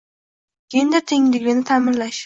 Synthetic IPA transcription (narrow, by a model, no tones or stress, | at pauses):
kʲʰejɪnd̪at̪ʰeŋlɪɡʲɪnɪt̪ʰamɪnlaʃ